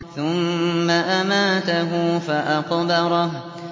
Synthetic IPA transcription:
θʊmːaʔamaːt̪aɦʊfaʔɑqd̪ɑɾˤɑh

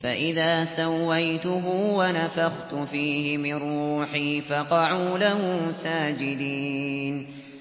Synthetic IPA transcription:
faʔɪðaːsawːajt̪ʊɦʊwanafaxt̪ʊfiːhɪmɪnuːħiːfɑqɑʕuːlahuːsaːd͡ʒɪd̪iːn

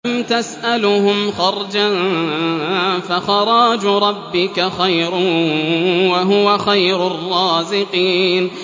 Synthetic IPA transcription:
mt̪asʔalʊhʊmxɑɾˤd͡ʒan | faxɑɾˤɑːd͡ʒɾˤɑbːɪkaxajɾ | waɦʊwaxajɾʊrˤːɑːzɪqiːn

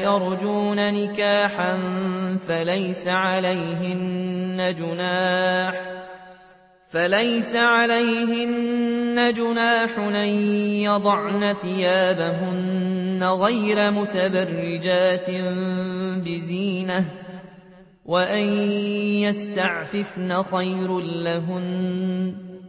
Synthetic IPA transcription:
jɑɾˤd͡ʒuːnanɪkaːħanfalajsaʕalajɦɪnːad͡ʒʊnaːħ | falajsaʕalajhɪnːad͡ʒʊnaːħʊʔajjɑd̪ˤɑʕnaθɪjaːbaɦʊnːaɣajɾamʊt̪abarːɪd͡ʒaːt̪ɪmbɪziːna | waʔanjast̪aʕfɪfnaxajɾllaɦʊn

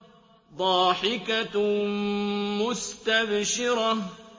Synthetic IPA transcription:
d̪ˤɑːħɪka | mʊst̪abʃɪɾɑ

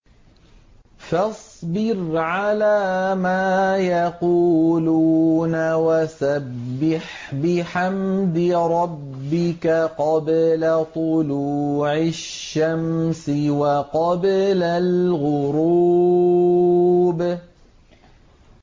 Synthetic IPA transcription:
fɑsˤbɪɾʕalaːmaːjaquːluːnawasabːɪħ | bɪħamd̪ɪɾˤɑbːɪkaqɑblat̪ˤʊluːʕɪʃːamsɪwɑqɑblalɣʊɾu | b

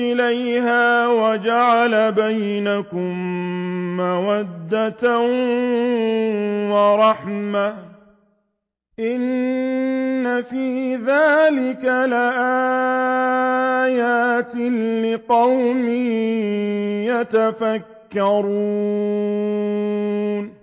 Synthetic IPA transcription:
ɪlajhaːwad͡ʒaʕalabajnakʊm | mawad̪ːat̪a | wɑɾˤɑħma | ʔɪn | afiːðaːlɪkalaʔa | jaːt̪ɪlɪqɑwmɪh | jat̪afakːɑɾˤuː | n

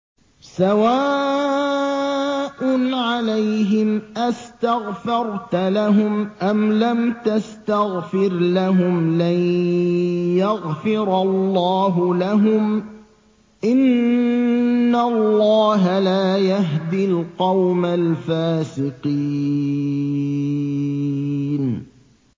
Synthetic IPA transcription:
sawaː | ʔʊnʕalajɦɪmʔast̪aɣfɑɾˤt̪laɦʊmʔamlamt̪ast̪aɣfɪɾlaɦʊmla | jaɣfɪɾɑlːɑːɦʊlaɦʊm | ʔɪn | alːɑːɦalaːjaɦd̪ilqɑwmalfaːsɪqi | n

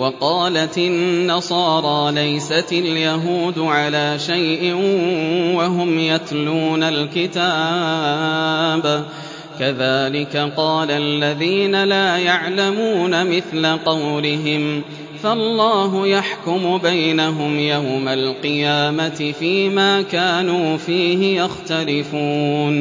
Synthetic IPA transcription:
wɑqɑːlat̪ɪnːɑsˤɑːɾˤɑːlajsataljaɦuːd̪ʊʕalaːʃajʔɪ | waɦʊmjat̪luːnalkɪt̪aː | b | kaðaːlɪkaqɑːlalːaðiːnalaːjaʕlamuːnamɪθlaqɑwlɪɦɪm | faʔlˤːɑːɦʊjaħkʊmʊbajnaɦʊmjawmalqɨjaːmat̪ɪfiːmaːkaːnuːfiːɦɪjaxt̪alɪfuːn

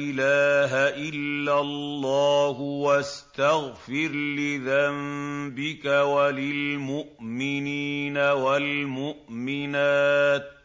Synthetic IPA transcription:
ʔɪlaːɦaʔɪlːalːaːɦwast̪aɣfɪɾlɪðambɪkawalɪlmʊʔmɪniːnawalmʊʔmɪnaːt̪̚

